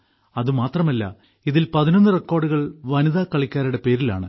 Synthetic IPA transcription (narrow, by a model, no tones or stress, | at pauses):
ɐðumaːt̪rɐmɐlːɐ̰ | iðilpɐðinonːɨrekːo̞ːrɖuɣɐɭʋɐniðaːkːɐɭikʲːaːɾuɽe̞pe̞ːɾila̰ːɳɨ̰